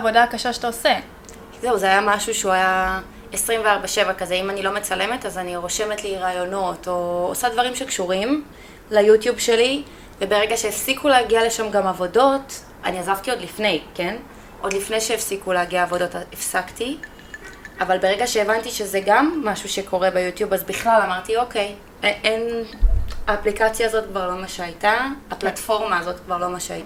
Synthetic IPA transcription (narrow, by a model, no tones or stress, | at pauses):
vo̞daakaʃaʃe̥taose | zeuzeajamaʃuʃeuaja | esʁimveaʁbaʃe̞vakazeimanilo̞met͡sale̞metazaniʁo̞ʃe̞metliʁaːjo̞no̞to̞ːsadvaʁimʃekʃuʁim | lajutjubʃe̞li | vebe̞ʁeɡaʃeːfsikuleːɡiale̞ʃamɡamavo̞do̞t | aniazavtio̞dlifne̞jke̞n | ʔo̞dlifne̞jʃeefsikuleaɡiaːvo̞do̞taefsakti | avalbe̞ʁeɡaʃe̞ːvantiʃe̞zeɡamːaʃuʃe̞kʰo̞ʁe̞bejutjubazbiχlalamaʁtio̞ke̞j | ʔen | aːplikat͡sjaːzo̞tkvaʁlo̞maʃeajtaaplatfo̞ʁmaːzo̞tkvaʁlo̞maʃeajta